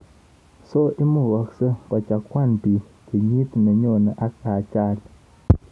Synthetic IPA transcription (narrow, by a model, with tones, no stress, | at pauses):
so˦i˦mu˦˨wa˨ksə˦pa˨t͡ʃa˨kʷa˦˨npi˨ | kə˨ɲi˦t̪nə˨ɲo˦˨nə˨ʔa˦k̚a˨t͡ʃa˦˨l